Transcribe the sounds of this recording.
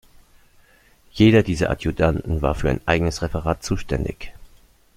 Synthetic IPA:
jeːɾɐdiːzɐ̰ʔa̰tjudantn̩va̰ːɐfyːɐa̰ɪnʔaɪɡənəsʁɛfɛʁaːtt͡suːʃtɛndɪ̰ç

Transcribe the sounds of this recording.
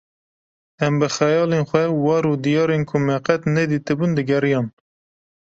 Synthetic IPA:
ɛmbɨxɛjɑːlenxʷɛwɑːɾud̪ijɑːɾenkʰʊmɛqɛt̪nɛd̪iːt̪ɨbund̪ɨɡɛɾijɑːn

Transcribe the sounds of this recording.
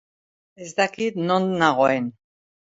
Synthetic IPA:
ezd̪akit̪nonnaɣoen

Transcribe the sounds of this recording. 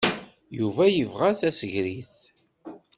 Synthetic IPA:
juvæjəvʁaθæsəʝɾiθ

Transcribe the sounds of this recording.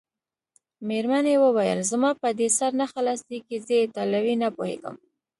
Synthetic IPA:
meɾmanewəwajə̰lzmɑpəd̪esaɾnaxalɑsd̪ikezəjet̪ɑlawinapohḛɡə̰m

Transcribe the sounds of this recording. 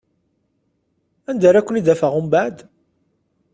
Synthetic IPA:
ænd̪aɾækʷːənid̪æfəʁʊmbaʕd̪

